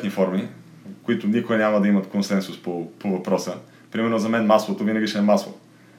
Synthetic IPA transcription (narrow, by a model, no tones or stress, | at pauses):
t̪nifɔɾmi | kʊit̪ʊnikʊɛnʲamɐd̪ɐimɐt̪konsɛnsʊspopovɐpɾɔsə | pɾimɛɾnoʊzɐmɛnmaslˠot̪ovinɐɡit͡ʃɛɛmaslˠo̰